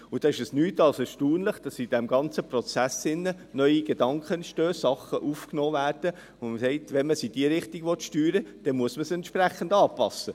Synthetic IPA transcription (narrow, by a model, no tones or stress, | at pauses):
ʊd̥ɑːɪʃɛsnyːtɑlsɛʃtuːnləχd̥ɑsid̥ɛmɡɑnt͡səprɔt͡sæsɪnːə | nœʏiɡ̥ed̥ɑŋkχənʃtøːsɑχəʔufknoːvæːrd̥ə | ʊməsɛɪt̪ʋɛnməsid̥iəɾɪχtiɡʋɔt̪ʃtyːɾəd̥ɛnmuəsməsɛntʃpræχːəndɑːpɑ̰sːə